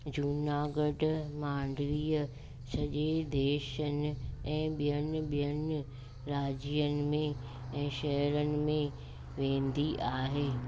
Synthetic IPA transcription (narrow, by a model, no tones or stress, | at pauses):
d͡ʑunaːɡəɖmãːɳɖliːə | sɐʄed̪eːʃənɪ̆ɛ̃ːɓijənɪ̆ɓijənɪ | ɾaːd͡ʑijənɪ̆mẽ | ɛ̃ːʃɐɦəɾənɪ̆mẽ | ʋẽːnd̪iʔaːɦeː